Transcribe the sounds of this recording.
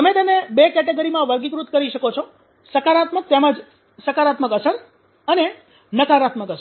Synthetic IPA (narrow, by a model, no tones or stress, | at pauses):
t̪əmet̪ənebekɛʈeɡoɾimãʋəɾɡikɾut̪kəɾiʃəkot͡ʃʰo | səkaɾat̪mək̚t̪eməd͡ʒ | səkaɾat̪məkəsən | əne | nəkaɾat̪məkəsə